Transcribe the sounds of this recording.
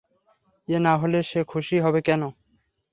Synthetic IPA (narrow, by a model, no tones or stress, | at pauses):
enaɦoleʃekʰuʃiɦɔbekɛno